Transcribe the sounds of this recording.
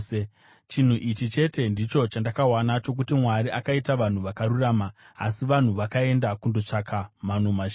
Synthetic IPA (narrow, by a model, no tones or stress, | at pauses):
t͡ʃin̤uʔit͡ʃit͡ʃe̞te̞ndit͡ʃo̞t͡ʃandakawanat͡ʃo̞k̬utimwaɾiʔakaitaʋan̤uʋakaɾuraːma̰ː | siʋan̤uʋakae̞ndakundo̞t͡ʂakʰamanomaʒ